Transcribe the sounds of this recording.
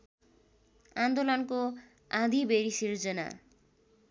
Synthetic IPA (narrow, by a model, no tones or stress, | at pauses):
and̪olʌnko | ãd̪ʱibʱeɾisird͡zʌna̰